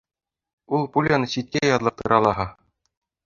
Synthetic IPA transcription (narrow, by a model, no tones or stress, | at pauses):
ulˠpulʲanɤɕit̪̚kʲæjɑd̪lˠɤ̆t̪ɤ̆ɾʔɑlˠɑɦɤ